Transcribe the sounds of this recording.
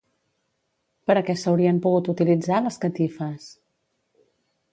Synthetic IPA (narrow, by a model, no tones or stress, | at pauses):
pəɾəkɛsəwɾiəmpuɣ̞ut̪ut̪ilid͡zaləskət̪ifəs